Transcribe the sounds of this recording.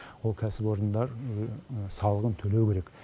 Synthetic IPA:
wolˠkʲʰæsɪpo̞ɾənd̪ɑɾ | sɑlˠəʁənt̪ʰɵlewkʲʰe̞ɾek

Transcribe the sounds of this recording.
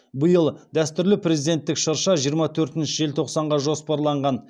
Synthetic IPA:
bəjəlˠd̪æst̪ʏɾlɪpre̞zid̪e̞nt̪ːɪkʃɑɾʃɑʒijəɾmɑt̪ʰɵɾt̪ɪnʃɪʒe̞lt̪ʰo̞qsɑɴʁɑʒo̞spɑɾlˠɑɴʁɑn

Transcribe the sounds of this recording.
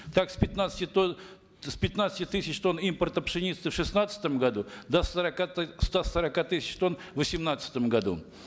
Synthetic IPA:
t̪aksʲpʲɪt̪nat̪sə̥tʲɪt̪o | spʲɪt̪nat̪sə̥tʲɪt̪ɨsʲɪt͡ɕt̪o̞nimpərt̪əpʂɨnʲit̪sɨfʂɨsnat̪sə̥t̪əmɡɐd̪ud̪əsəɾɐkast̪asəɾɐkat̪ɨsʲɪ̥t͡ɕt̪o̞n | vəsʲɪmnat̪sə̥t̪əmɡɐd̪ṵ

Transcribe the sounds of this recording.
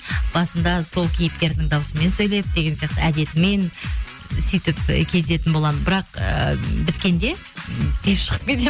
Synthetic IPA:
b̥ɑsənd̪ɑso̞lˠkʲʰijɪpkʲe̞ɾd̪ɪŋd̪ɑwəsəme̞nsɵjle̞jɪp̚d̪eɡʲe̞nsijɑq̚t̪əæd̪e̞t̪ɪme̞n | sʏjt̪ɪpkʲʰe̞zd̪e̞t̪ɪnbolˠɑd̪mənbɪɾɑqə̰bɪt̪kʲe̞nd̪e̞ | t̪ʰezʃəʁəp̚kʲet̪e

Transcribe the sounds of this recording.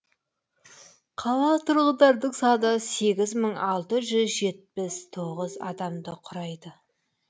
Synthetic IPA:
qʰɑlˠɑt̪ʰʊɾʁəd̪ɑɾd̪əqsɑd̪ɑse̞ɡʲɪzməɴɑlˠt̪əʒʏzʒe̞t̪̚pɪst̪ʰo̞ʁəzɑ̰d̪ɑmd̪əqʰʊɾɑjd̪ə

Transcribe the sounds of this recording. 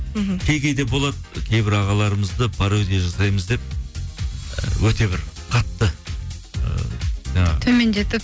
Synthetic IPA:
m̩ɦkʲʰejɡʲe̞jd̪e̞bo̞lˠɑd̪əkʲʰejbɪɾɑʁɑlˠɑɾəməzd̪əbʰɑɾd̪eʒɑsɑjməzd̪e̞p̚ | wɵt̪e̞bɪɾqʰɑt̪ːə | ə̰ʒ̥ɑɴɑʁt̪ʰɵme̞nd̪et̪ɪp

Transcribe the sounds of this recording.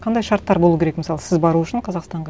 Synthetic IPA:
qʰɑnd̪ɑjʃɑɾt̪ːɑɾbo̞lˠukʲeɾekmɪsɑlˠəsɪzbɑɾuʏʃɪɴqʰɑzɑqst̪ɑɴʁɑ

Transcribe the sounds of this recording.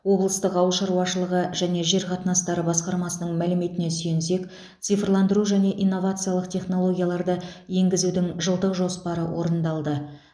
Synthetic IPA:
wo̞blˠəst̪əqɑwəʃɑɾwɑʃəlˠəʁəʒæne̞ʒe̞ɾqʰɑt̪ənɑst̪ɑɾəbɑsqɑɾmɑsənəɴmælɪme̞t̪ɪne̞syjense̞k | t̪sɨjfrlˠɑnd̪əɾuʒæne̞ʔinːo̞vat̪sɨijalˠəqt̪ʰʲe̞χno̞lˠo̞ɡʲijalˠɑɾd̪əje̞ŋɡʲɪzud̪ɪŋʒəlˠt̪əqʒo̞spɑɾəwʔo̞ɾənd̪ɑlˠd̪ə

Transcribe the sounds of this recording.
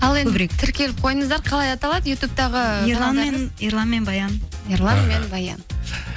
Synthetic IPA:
ɑlˠeɵbɪɾekt̪ʰɪɾkʲe̞lɪp̚qʰo̞jəɴəzd̪ɑɾqʰɑlˠɑjɑt̪ɑlˠɑd̪əjut̪up̚t̪ɑʁəɾlˠɑnmeniɾlˠɑnme̞nbɑjɑniɾlˠɑnme̞nbɑjɑ̰n

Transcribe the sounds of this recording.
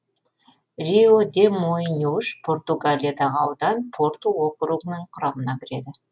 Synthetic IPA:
rʲiod̪ʲemojnʲuʃpʰo̞rt̪uɡalʲijad̪ɑʁəɑwd̪ɑnpʰo̞rt̪uokɾuɡnəɴqʰʊɾɑmənɑkʲʰɪɾe̞d̪ɪ

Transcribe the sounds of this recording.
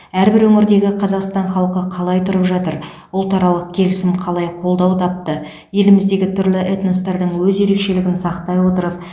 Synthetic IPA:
æɾbɪɾwɵŋɪɾd̪e̞ɡʲɪqʰɑzɑqst̪ɑɴχɑlˠqəqʰɑlˠɑjt̪ʰʊɾəpʒɑt̪əɾ | ʊlˠt̪ʰɑɾɑlˠəq̚kʲʰe̞lɪsɪmqʰɑlˠɑjqʰo̞lˠd̪ɑwt̪ʰɑp̚t̪ə | je̞lɪmɪzd̪e̞ɡʲɪt̪ʰʏɾlɪʔet̪nəst̪ɑɾd̪əɴwɵze̞ɾe̞kʃe̞lɪɡʲɪnsɑqt̪ɑjwo̞t̪əɾəp̚

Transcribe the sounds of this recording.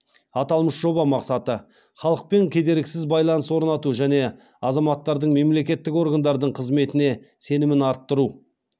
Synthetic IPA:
ɑt̪ɑlˠməsʒ̥o̞bɑmɑqsɑt̪ə | χɑlˠəq̚pe̞ŋkʲʰed̪e̞ɾɪkʲsɪzbɑjlˠɑnəswo̞ɾnɑt̪uʒæne̞ | ɑzɑmɑt̪ːɑɾd̪əɴme̞mle̞kʲe̞t̪ːɪko̞ɾɡand̪ɑɾd̪əɴqʰəzme̞t̪ɪne̞ | se̞nɪmɪnɑɾt̪ːəɾu

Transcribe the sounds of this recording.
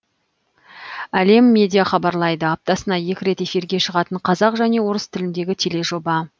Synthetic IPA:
æle̞mːe̞d̪ʲijaχɑbɑɾlˠɑjd̪əap̚t̪ɑsənɑje̞kʲɪɾe̞t̪e̞fiɾɡʲe̞ʃəʁɑt̪əɴqʰɑzɑqʒæne̞wo̞ɾəst̪ʰɪlɪnd̪e̞ɡʲɪt̪ʰe̞le̞ʒo̞bɑ

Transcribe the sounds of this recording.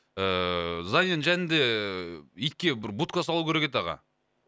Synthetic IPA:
əzɑnenʒænɪnd̪e̞ | ijt̪̚kʲe̞bɪɾbut̪̚kasɑlˠupkʲʰeɾekʲet̪ɑʁɑ̰

